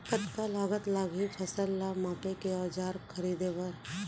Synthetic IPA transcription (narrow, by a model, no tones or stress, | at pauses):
kət̪kalaːɡət̪laːɡipʰɐsəlːamãːpekeɔːd͡ʒaːɾkʰɐɾiːd̪eʋɐɾ